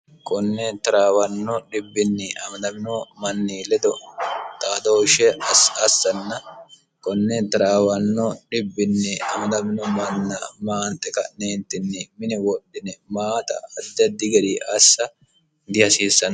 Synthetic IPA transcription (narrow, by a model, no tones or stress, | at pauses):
kɔnːɛt̪ɐɾaːwɐnːɔᶑɪbːɪnːɪʔɐmɐd̪ɐmɪnɔmɐnːiːlɛd̪ɔt̪aːd̪oʃɛɐsɐsːɐnːɐ | kɔnːɛt̪ɐɾaːwɐnːɔᶑɪbːɪnːɪɐmɐd̪ɐmɪnɔmɐnːɐmaːnt̪ʼːɛkɐneːnt̪ːɪnːɛmɪnɛwɔɗːɪnɛmaːt̪ɐ̰ɐd̪ːɛd̪ɪɡɛd̪iʔɐsːɐ | d̪ɪhɐsiːsːɐn